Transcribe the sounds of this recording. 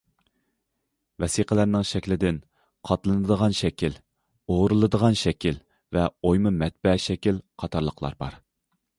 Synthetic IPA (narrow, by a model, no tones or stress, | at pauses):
vɛsiqəlæɾnɪŋʃɛkʲlɪd̪ɪn | qʰɑt̪lˠɨnɨd̪əʁɑnʃɛkʲil | oʁɾɨlˠɨd̪əʁɑnʃɛkʲil | vɛojmɨmɛt̪̚bɛʃɛkʲilqʰɑt̪ʰɑɾlˠəqʰlˠɑ̰ɾbɑ̰ɾ